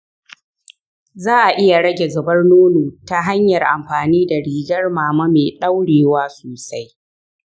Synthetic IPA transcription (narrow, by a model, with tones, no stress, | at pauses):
zaː˦ʔa˨ʔɪ˦ja˨ɽɐ˦ɡʲe˨zɐ˨bɐ˦rnoː˦noː˨ta˦ɦa˦ɲjɐ˨rʔa̰˨mɸaː˨niː˦da˨ɽiː˨d͡ʒɐ˦rmaː˨mɐ˦meː˨ɗa˦wɽeː˨waː˦soː˨sa˦j